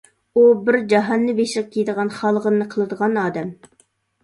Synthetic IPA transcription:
ubɪɾd͡ʒɑɦɑnːɨbeʃləq̚kʲʰijd̪əʁɑnχɑlˠʁənːɨqʰəlˠɨd̪əʁɑnɑːd̪ɛm

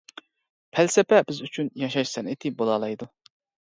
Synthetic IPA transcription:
pʰælsɛpɛbɪzyt͡ʃʰynjɑʃɑʃsɛnɪt̪ʰɪbolˠɑlˠɑjd̪u

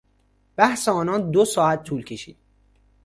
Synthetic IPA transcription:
b̥æhseɒːnɒːnd̪osɒːæt̪ʰːuːlcʰe̞ʃiːd̪̥

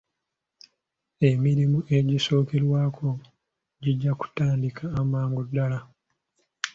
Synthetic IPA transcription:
emiɾimuʔe̞ɟiso̞ːke̞ɾwaːkʰo̞ | ɟiɟːaku̥taːndikʰaːmaːŋɡodːala

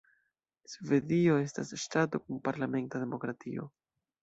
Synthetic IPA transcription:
sve̞dio̞e̞stasʃtato̞kunpaɾlame̞ntade̞mo̞kɾatio̞̰

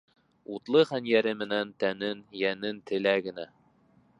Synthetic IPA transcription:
ut̪lˠɤχænjæɾɘmɘ̆nænt̪ænɘnjænɘnt̪ʰɘ̆læɡɘ̆næ

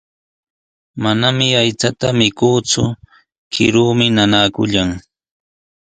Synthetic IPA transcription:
manamɪajt͡sat̪amɪkuːt͡sʊ̰ | kʰɪ̰ɾuːmɪnanakʊʎaŋ

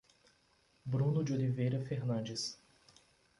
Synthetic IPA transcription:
bɾũnʊd͡ʒiolivejɾɐfeɾnɐ̃d͡ʒɪs

